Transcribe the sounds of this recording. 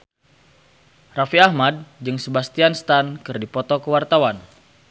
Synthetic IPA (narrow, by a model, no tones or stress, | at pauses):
rafiahmad̚d͡ʒɨŋsəbast̪ianst̪ankɨrdipɔt̪ɔkəwart̪awan